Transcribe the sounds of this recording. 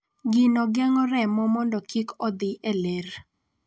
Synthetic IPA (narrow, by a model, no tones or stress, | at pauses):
ɡɪnɔɡɛŋɔɾɛmɔmɔndɔkikɔd̪ɪʔeleɾ